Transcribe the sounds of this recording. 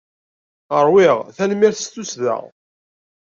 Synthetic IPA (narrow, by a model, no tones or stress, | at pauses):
əɾˤwiʁθænmiɾθst̪ːusðə̰ʁ